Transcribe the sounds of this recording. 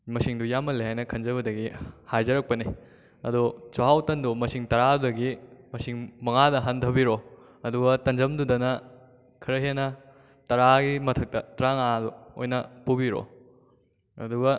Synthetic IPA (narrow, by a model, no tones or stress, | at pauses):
mɐsiŋdujamːɐleɦajnɐkʰɐnzɐβɐdɐɡihajzɐɾɐk̚pɐni | ɐ̰dut͡ʃɐɦawtɐndumɐsiŋtɐɾadudɐɡimɐsiŋmɐŋadɐɦɐndʰʱɐbiɾo | ɐduɡɐtɐnd͡ʒɐmdudɐnɐ | kʰɐɾɐɦenɐ | tɐɾaɡimɐtʰɐk̚tɐtɾaŋaduo̰jnɐpubiɾo̰ | ɐ̰duɡɐ